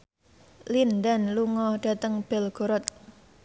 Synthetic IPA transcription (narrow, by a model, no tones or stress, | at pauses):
lindanluŋɔhɖ̥a̤t̪əŋb̥ɛlɡ̥o̤ɾɔt̪̚